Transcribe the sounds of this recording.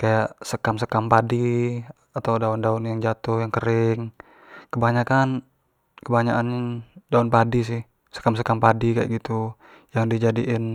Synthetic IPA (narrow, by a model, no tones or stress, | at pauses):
kajaʔsəkamsəkampadi | at̪awdaʊndaʊnjaŋd͡ʒat̪ʊhjaŋkəɾɪŋ | kəbaɲakan | kəbaɲaʔanɲdaʊnpadis̬ɪh | sə̥kams̬əkampadikaja̰ʔɡit̪u | jaŋdid͡ʒadiʔɪn